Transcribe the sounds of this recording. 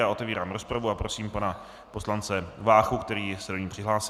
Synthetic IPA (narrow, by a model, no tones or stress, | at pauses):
jaːʔo̞t̪ɛviːɾaːmɾo̞spɾavuapɾo̞siːmpana | po̞slant͡sɛvaːxukt̪ɛɾiːsɛdoɲiːpr̥ɪɦlaːsɪ